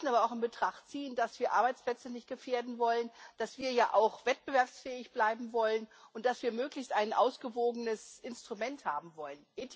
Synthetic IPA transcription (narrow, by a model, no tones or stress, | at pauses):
n̩aːbɐaʊxɪnbətʁ̥aχtt͡siːənd̥asv̥iːɐʔaɐbaɪt͡splɛt͡sənɪçt̚ɡ̥əfeːɐdn̩vɔlənd̥asv̥iːɐjaːʔaʊxv̥ɛt̚b̥əvɛɐpsfɛːɪçb̥laɪbm̩vɔlənʔʊnt̚d̥asv̥iːɐmøːklɪçstʔaɪnʔa̰ʊsɡ̥əvoːɡənəsʔɪnstʁ̥umɛnthaːbm̩vɔlənʔet